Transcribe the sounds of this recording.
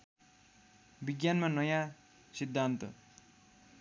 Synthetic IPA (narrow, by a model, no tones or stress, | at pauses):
biɡjanmanʌjã | sid̪ʱːant̪ʌ